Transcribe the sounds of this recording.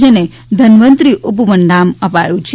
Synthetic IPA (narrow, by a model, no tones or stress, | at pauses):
d͡ʒene | d̪ʱənʋənt̪ɾiʔup̬ʋəɳɖaməpajũt͡ʃʰ